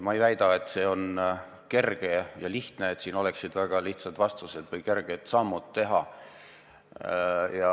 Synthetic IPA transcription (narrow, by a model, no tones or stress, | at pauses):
mɑejvæjd̪̥ɑe̞t̪ːˑse̞ːo̞n | ke̞rɡ̥ejɑliht̪neːt̪siːno̞leksid̪̥væɡ̥ɑliht̪sɑd̪̥vɑst̪use̞d̪̥vɯjke̞rɡ̥et̪sɑmːut̪ːe̞ɦɑ | jɑ